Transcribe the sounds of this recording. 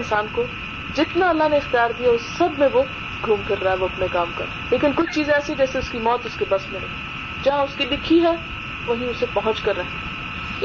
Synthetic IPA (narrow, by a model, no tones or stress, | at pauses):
nsaːnko | d͡ʒɪt̪naɐlːaɦneɪxt̪ijaːɾd̪ijaʊssɐbmẽʋo | ɡʱuːmkɐɾːaɦɛʋoɐpnekaːmkɐ̰ɾ | leːkɪnkʊt͡ʃʰt͡ʃiːzɛːsed͡ʒɛːseʊskimɔːt̪ʊskebɐsmẽɦḛː | d͡ʒɐɦãʊskilɪkʰiɦɛ | ʋɐɦĩʊsepɐɦʊ̃t͡ʃkɐɾːɐɦẽ